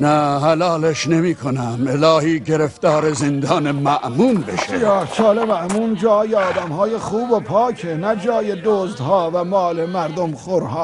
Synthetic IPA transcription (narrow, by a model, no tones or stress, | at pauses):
næhælɑːleʃnemiːkʰonæmelɑːhiːɟeɾeft̪ɒːɾezend̪ɒːnemæʔmuːnbeʃejæːsɒːlemæʔmuːnd͡ʒɒːjeɒːd̪æmhɑːjeχuːbopʰɒːcʰenæd͡ʒɒːjed̪oːzd̪hɒːvæmɒːlemæɾd̪omχoɾhɑː